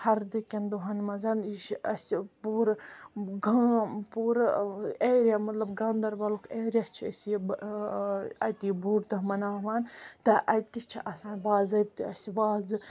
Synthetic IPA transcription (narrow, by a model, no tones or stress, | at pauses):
hɐɾd̪ikʲɐnd̪uɦɐnmɐzɐniʃɐsʲipuːɾɡɐpuːɾeːɾʲjamɐt̪lɐbɡɐnd̪ɐɾbɐlukʰeːɾʲjɐst͡ʃʰiɐsb | ɐt̪ibuːɾt̪ɐmɐnaːʋaːnt̪ɐʔɐjt̪it͡ʃʰiʔɐsãːnbaːzɐb̚t̪iɐsiʋaːzɨ